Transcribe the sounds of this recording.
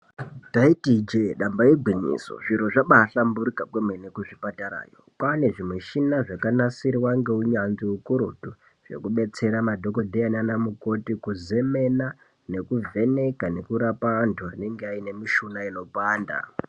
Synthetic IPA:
taitid͡ʒeɗambaiɡʱwiɲḭso̰ʐiɾo̞ʐaɓaɬambuɾikakwemwenekuʐipataɾa̰ːjo̰pane̞ʐimweʃinaʐakanasiɾiwaŋɡe̞uɲanziukuɾotu | ʐ̥e̞̰kuɓe̞t͡se̞ɾamadʱo̞ko̞dʱeananamuko̞tikuze̞me̞na | ne̞kuvʱe̞ne̞kane̞kuɾapaʋantʰuane̞ŋɡeaine̞miʃunaelo̞paːnda̰

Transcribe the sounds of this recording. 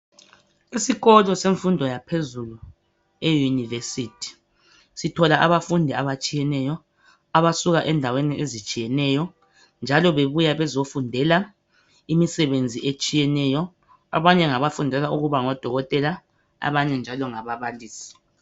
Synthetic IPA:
isiɣɔlɔseɱfundʱɔjapʰezulu | ejunivesitʰi̥ | sitʰɔlaʔaβafundʱɛaβat͡ʃʼijɛnɛjɔ | aβasuɣaʔɛndʱaweniʔezit͡ʃʼijɛnɛjɔ | nd͡ʒʱalɔβeβujaβɛzofundʱɛla | imisɛβend͡zʱiʔet͡ʃʼijɛnɛjɔ | a̰βaɲɛŋaβafundʱɛlauɣuβaŋɔd̥ʱɔɣɔtʼɛla | a̰βaɲɛnd͡ʒʱalɔŋaβaβaliːsi̥

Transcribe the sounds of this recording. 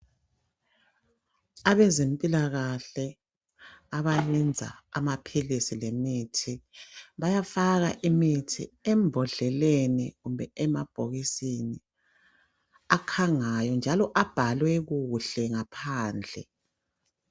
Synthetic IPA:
aβɛzempʼilaɣaɬɛ | aβalind͡zʱa̰ːmapʰilisilemitʰiβajafaɣaʔimitʰḭɛmbʱɔɮɛlenḭɣumbɛɛmab̥ʱoɣisini | akʰaŋajɔnd͡ʒʱalɔʔab̥ʱalwɛɣuɬɛŋapʰaːnd͡ɮʱɛ

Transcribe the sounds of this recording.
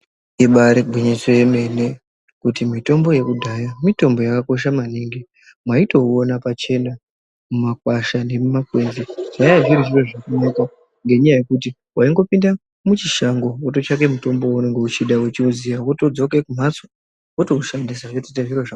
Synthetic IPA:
iɓaɾebʱiɲisejeme̞ne̞ | kutimito̞mbo̞je̞kudʱaːjamito̞mbo̞jakako̞ʃ̬amaniŋɡi | mwaito̞onapat͡ʃe̞na | mumak̚waʃane̞mumakwe̞nziʐ̥ajaʐiɾiʐiroʐakanaka | ŋɡe̞ɲajaje̞kut̬i | waiŋɡo̞pinda | mut͡ʃiʃaŋɡo̞wot̬o̞t͡ʃake̞muto̞mbo̞une̞ŋɡe̞ut͡ʃiɗawet͡ʃiuzijawoto̞d͡zo̞ke̞kum̤at͡so̥ | woto̞uʃandisaʐetetaʐiroʐa

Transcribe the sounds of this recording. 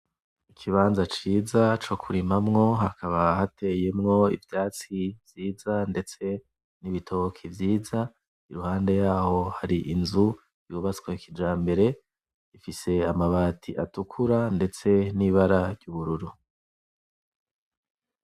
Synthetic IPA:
ikʰiβaːnzat͡ʃiːzat͡ʃo̞kʰuɾimamŋo̞ɦakʰaβahate̞je̞mŋo̞ḭvjaːt͡sivjiːzande̞t͡se̞ | niβitʰo̞kʰivjiːza | iɾuhaːnde̞jaːho̞haɾiʔinzu | juːβat͡swekid͡ʒaːmbe̞ɾe̞ | ifise̞amaβaːtʰiʔa̰tukʰuɾande̞t͡se̞niβaɾaɾɟuβuɾuɾu

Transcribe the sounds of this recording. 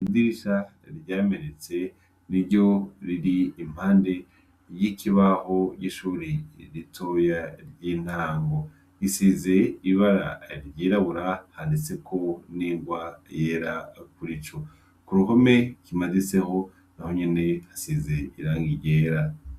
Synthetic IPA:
idiɾiʃa | ɾɟaːmenet͡se̞ | niɾɟo̞ɾiɾiːm̥haːnde̞ | jikʰiβaho̞ɟiʃuːɾiɾitʰo̞jaɾɟiːn̥aːŋɡo̞ | isize̞iβaɾa̰ɾɟiːɾaβuɾahandet͡se̞kʰo̞niːŋɡwajeːɾakuɾit͡ʃo | kuɾuhome̞kimazise̞ho̞ | naho̞ɲene̞hasize̞iɾaːŋɡiɾjɟeːɾa

